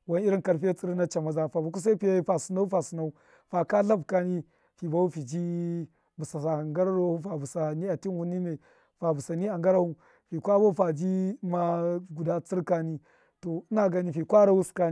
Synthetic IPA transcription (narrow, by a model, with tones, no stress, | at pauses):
wa˦n˦i˦ɾi˦nka˨ɾfa˦t͡sʼi˦ɾna˦t͡ʃa˨ma˨za˦fa˨bu˨k̬u˦s̬a˦pi˨ja˦i˦fa˨su˨na˦u˦fa˨su˨na˦u˦ | fa˨ka˦ɬa˦bka˦ni˦ | fi˨ba˦u˦fi˨d͡ʒi˦ | bu˨sa˨sa˨ŋɡa˦ɾa˦ɾo˦u˦fa˨bu˨sa˨ni˦a˨ti˦nwu˦ni˦ne˨ | fa˨bu˨sa˨ni˦a˨ŋɡa˦ɾa˦u˦ | fi˨kʷa˦ba˦fa˨d͡ʒi˦ma˦ɡu˨da˦t͡si˦ɾka˦ni˦ | to˨˦na˦ɡa˨ni˦fi˨kʷa˦ɾa˦wu˦ska˦ni˦